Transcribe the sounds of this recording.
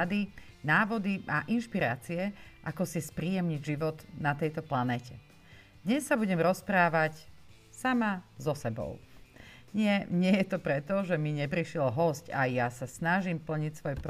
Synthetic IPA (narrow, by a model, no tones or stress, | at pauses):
ad̪i | naːʋɔd̪iaʔinʃpiɾaːt͡siɛʔakɔsispɾiːjɛmɲiɟʒiʋɔt̪nat̪ɛjt̪ɔplanɛːcʰɛ | d̪̥ɲɛsːabuɟɛmɾɔspɾaːʋac | samazɔsɛbɔ̰ʊ | ɲɪɛɲɪɛjɛt̪ɔpɾɛt̪ɔʒɛmiɲɛpɾiʃlɔɦɔscajjasasnaʒimpl̩ɲicsʋɔjpɾ